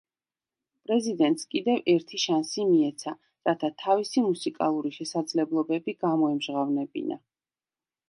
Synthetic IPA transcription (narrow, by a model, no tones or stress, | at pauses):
pʼɾɛzid̪ɛnt̪ʼskʼid̪ɛvɛɾt̪ʰiʃansimiɛt̪sʰa | ɾat̪ʰat̪ʰavisimusikʼa̰lˠuɾiʃɛsad̪zlɛblˠɔbɛbiɡamɔɛmʒʁavnɛbḭnʔa̰